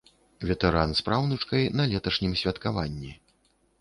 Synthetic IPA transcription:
vʲɛt̪ɛɾanspɾawnɐt͡ʂkɐjnɐlʲɛt̪ɐʂnʲimsʲvʲɐt̪kavanʲːi

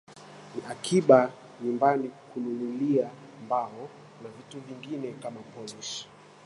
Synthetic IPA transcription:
niʔakʰiɓa | ɲumbanikulululia | mbaɔ | navituviŋɡinɛkamapɔliʃ

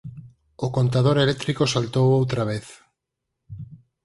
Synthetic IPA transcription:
okont̪að̞oɾelek̚t̪ɾikosalt̪owowt̪ɾaβ̞eθ

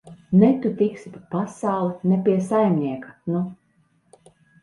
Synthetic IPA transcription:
nɛt̪ut̪iksʲip̪ipasawlˠɛnɛpiɛsajmnʲiɛkḁnu

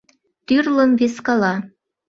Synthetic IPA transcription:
t̪yrlə̆mveskɑlɑ

